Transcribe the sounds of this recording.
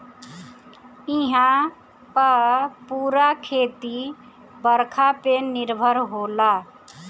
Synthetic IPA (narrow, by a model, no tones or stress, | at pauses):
iɦã | pəpuɾakʰet̪i | bəɾkʰapeniɾbʱəɾɦola